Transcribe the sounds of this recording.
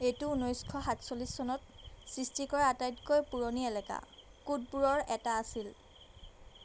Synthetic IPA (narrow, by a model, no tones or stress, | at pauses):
etuunojskʰɔɦatsolisːɔnɔtsɹistikɔɹaatajtkojpuɹoniɛlɛka̰ | kud̚buɹɔɹɛtaːsil